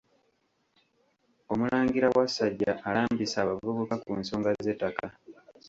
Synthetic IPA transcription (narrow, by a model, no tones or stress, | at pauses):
o̞mulaːŋɡiɾawasaɟːaʔːlaːmbisaːβavuβukakunso̞ːŋɡazeːtːaka